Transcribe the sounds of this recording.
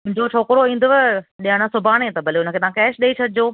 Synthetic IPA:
ʊ̃ɪ̃ɲd͡ʑot͡ɕʰoːkɾoĩːn̆d̪ʊʋeɗiəɽ̃ãsʊbʱaːɽ̃et̪ɐbɐleʊnəkʰeːt̪ɐɦãkɛːʃɗeit͡ɕʰɐdʱɪd͡ʑoː

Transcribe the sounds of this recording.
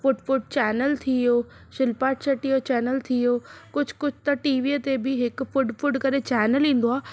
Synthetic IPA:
fʊɖfʊɖ̚t͡ɕɛːnəlt̪ʰijoː | ʃɪlpaːʈsɐʈijot͡ɕɛːnəlt̪ʰijoːkʊd͡ʑʱkʊd͡ʑʰʱt̪ɐʈiːʋiːt̪ebɪɦɪkfʊɖfʊɖkɐɾet͡ɕɛːnəlĩːn̆d̪oaː

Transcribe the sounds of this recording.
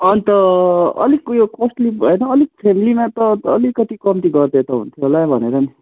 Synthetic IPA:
ʌnit̪ʌʌ̰likːjokosʈlipbʱʌenʌːlik̚pʰemilimat̪ʌːlikʌt̪ikʌmt̪iɡʌrd̪et̪ʌɦṵnt̪ʰjoɦolabʱʌneɾʌni

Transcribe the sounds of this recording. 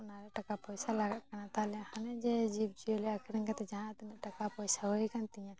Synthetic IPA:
ʊnaɾɛʈakapɔjsalaɡakanat̪alɛhanɛd͡ʒɛd͡ʒib̚d͡ʒijolɛakʰɛɾɛŋkat̪ɛd͡ʒaɦãt̪nɛʈakapɔjsaɦoikant̪ĩjã

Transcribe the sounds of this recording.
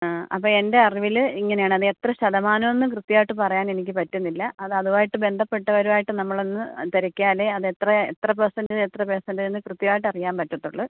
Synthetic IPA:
aːɐ̰pːoːe̞nde̞ɐriʋiliŋːɐnejaːɳɨɐðɨe̞t̪rɐɕɐðɐmaːnɐmonːɨkrɨt̪ːjaːjiʈːɨpɐrɐjaːne̞nik̬ʲːɨpɐtːunːilːɐʔɐðɨɐðuʋaːjiʈːɨbe̞nd̪ʱɐpːe̞ʈːɐʋɐɾuʋaːjiʈːɨnɐmːɐɭonːɨt̪eɾɐkʲːaːleɐðet̪rɐet̪rɐp̬esɐndilet̪rɐpeːsɐndienːɨkrɨt̪ːjaːjiʈ̬ːɐrijaːmpɐtːɐʈːuɭːɐ

